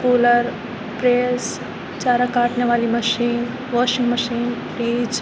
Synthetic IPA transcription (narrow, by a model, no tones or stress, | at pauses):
kuːləɾ | pɾeːs | t͡ʃaːɾakaːʈneʋaːlimɐʃiːn | ʋɔːʃɪ̃ŋɡmɐʃiːn | ɾiːd͡ʒ